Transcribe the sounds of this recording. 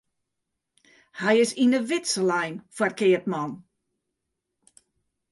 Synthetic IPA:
hɛjɪsinəʋɪtsəlɛjnfarkɪətmɔn

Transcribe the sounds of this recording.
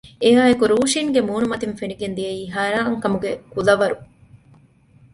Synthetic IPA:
eɦaːekuɾuːʃiŋɡemuːnumɐt̪infeniɡend̪ijɐiːɦaːɾaːŋkɐmuɡekulɐʋɐɾu

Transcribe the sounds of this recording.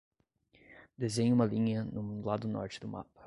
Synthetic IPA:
d̪ezẽɲʊũmɐlĩɲɐnʊlad̪ʊnɔ̰ɾt͡ʃɪd̪ʊma̰pɐ̥

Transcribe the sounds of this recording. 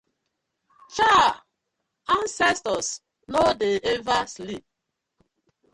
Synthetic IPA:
t͡ʃa | ãnsɛstɔs | nodeevaslip̚

